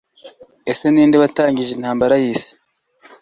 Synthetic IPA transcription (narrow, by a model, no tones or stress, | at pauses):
ese̞niːndeβataːɲɟiʒen̥haːmbaɾajiːsi̥